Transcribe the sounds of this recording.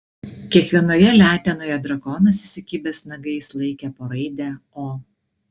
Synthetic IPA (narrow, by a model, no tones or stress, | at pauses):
kʲiɛkʋʲiɛnoːjɛlʲæːt̪ʲɛnoːjɛd̪ɾɐkoːnɐsʲɪsʲɪkʲiːbʲeːsnɐɡɐɪslˠɐɪkʲɛpoːɾɐɪd̪ʲæːoː